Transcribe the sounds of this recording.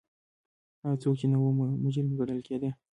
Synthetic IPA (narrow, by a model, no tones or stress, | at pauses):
aat͡sok̚t͡ʃenawommʊd͡ʒɪɾmɡaɽəlked̪e